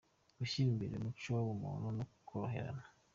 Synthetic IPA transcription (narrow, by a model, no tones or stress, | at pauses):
uʃiːmbiɾemuoβomo̰nonoku̥kʰoɾoɦe̞̰ɾa̰na